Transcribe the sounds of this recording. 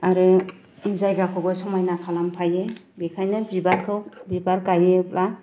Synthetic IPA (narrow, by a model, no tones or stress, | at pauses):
aɾɯ | izajɡakʰɔbɯsɔmajnakʰalampʰajebikʰajnɯbibaɾkʰɯwbibaɾkajep̚la